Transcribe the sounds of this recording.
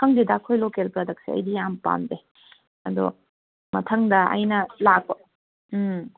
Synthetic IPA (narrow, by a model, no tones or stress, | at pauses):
ɐŋdidɐːkʰojlokelpɾɐdɐk̚siɐ̰jdijampa̰nde | ɐd̪ɔ̰ | mɐtʰɐŋdɐɐ̰jnɐlakːo